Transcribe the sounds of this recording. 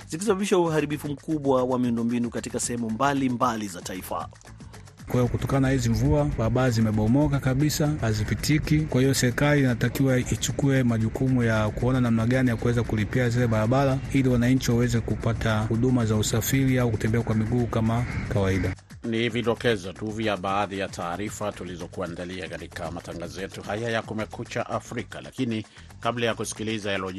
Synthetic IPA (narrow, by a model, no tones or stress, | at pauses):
zikisaɓaɓiʃauhaɾiɓifum̩kuɓwawamiundɔmbinukatikasɛhɛmumbalimbalizataifa̰ | kwahiɔkutɔkananahiziɱvuaɓaɾaɓalazimɛɓɔmɔkakaɓisahazipitʰikikwahiɔsɛɾikaliːnatakiwait͡ʃukuɛmaʄukumujakuɔnanam̩naɠanijakuwɛzakulipiazilɛɓaɾaɓalailiwanaɲ̩t͡ʃiwawɛzɛkupatʰahuɗumazausafiɾiauku̥tɛmbɛakwamiɠuːkamakawaiɗa | niviɗɔkɛzɔtuviaɓaːðijatʰaːɾifatulizɔkuandaliakatikamataŋɡazɔjɛtuhajajakumɛkut͡ʃaʔafɾika̰la̰kini | kablajakusi̥kilizaalɔ